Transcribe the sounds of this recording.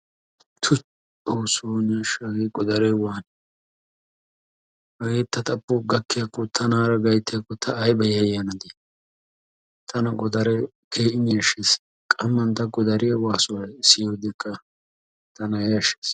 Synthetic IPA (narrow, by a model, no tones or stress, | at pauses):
t̪ʰʊt͡ʃʼ | oːsoːnɪɐʃaɡeɡɔd̪ɐɾɛwaːn | hɐɡeːt̪ːɐt̪ʼɐpːʊɡɐkːɪjɐkːɔt̪ʰɐnaːɾɐɡɐjt̪ːɪjɐkːɔt̪ʰɐːjbɐjɐjɐnɐd̪e | t̪ʰɐnɐɡɔd̪ɐɾɛ | kʰeːʔɪnɪɐʃes | kʼɐmːɐnt̪ɐɡɔd̪ɐɾɪjɐwaːsʊwɐsɪjoːd̪ɪkːɐ | t̪ɐnɐjɐʃe̥ːs